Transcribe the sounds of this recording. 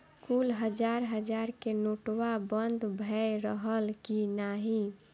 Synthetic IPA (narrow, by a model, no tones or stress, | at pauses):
kulɦəd͡ʒaɾɦəd͡ʒaɾkenoʈwabənd̪ʱbʱɛɾəɦəlkinaɦi